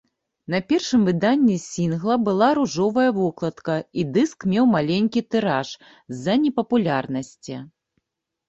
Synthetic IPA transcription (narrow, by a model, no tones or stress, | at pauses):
n̪ɐpʲɛrʂɨmvɨd̪anʲːisʲinɣlˠɐbɨlˠaɾuʐɔvɐjɐvɔklˠɐt̪kɐid̪ɨskmʲɛwmalʲenʲkʲit̪ɨɾaʂ | zɐnʲɛpɐpulʲarnɐsʲt͡sʲɛ